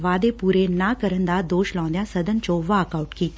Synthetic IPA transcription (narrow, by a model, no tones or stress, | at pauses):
ʋaːd̪epuːɾenaːkəɾənd̪aːd̪oːʃlɔ̃ːnd̪jãsəd̪ənt͡ʃõʋaəkaːuʈkiː